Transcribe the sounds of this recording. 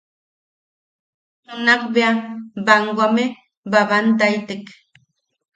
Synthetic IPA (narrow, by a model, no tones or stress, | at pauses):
ʊnaqbeabaŋɡʷame | baβant̪ajt̪ɪk